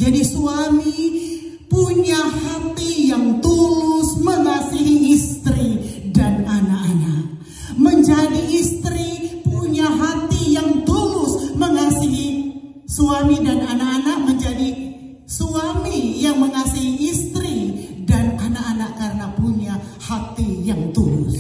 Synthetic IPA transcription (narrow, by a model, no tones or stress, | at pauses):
d͡ʒadisuami | puɲahat̪ijaŋt̪ulʊsməŋasiɦiːst̪ɾidananaʔanak̚ | məɲd͡ʒadiːst̪ɾipuɲaɦat̪ijaŋt̪ulʊsməŋasiɦi | suamidananaʔanaʔ̚məɲd͡ʒadi | suamijaŋməŋasiɦiːst̪ɾidananaʔanaʔkaɾənapuɲahat̪ijaŋt̪ulʊ̰s